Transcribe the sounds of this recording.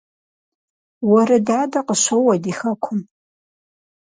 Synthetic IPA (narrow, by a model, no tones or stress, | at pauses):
wɔɾɐdaːdɐqəʃʷowɐdiːxɐkʷʰʊm